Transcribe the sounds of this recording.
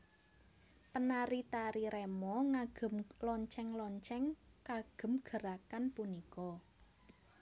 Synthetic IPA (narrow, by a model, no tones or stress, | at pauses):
pənaɾit̪aɾiɾɛmɔŋaɡ̥ə̤mlɔɲt͡ʃɛŋlɔɲt͡ʃɛŋ | kaɡ̥ə̤mɡ̥ə̤ɾakanpunikɔ